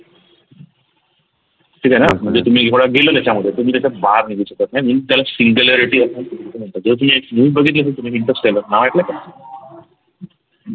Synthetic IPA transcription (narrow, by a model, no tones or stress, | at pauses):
ʈʰiːkanam̤əɳd͡zet̪um̤iːekɽaɡelət̪at͡ɕaməd̪ʱːjet̪umiːt̪jat͡ɕabaɾniɡit͡ɕək̚at̪̚najmiːt̪jalasiŋɡuleɾiʈiasat̪umit̪it̪eməɳt̪ad͡zət̪um̤iːekmuibəɡʱit̪̬let̪ʰəlt̪um̤iːɦiɳʈəsʈelənaʋaʈlaka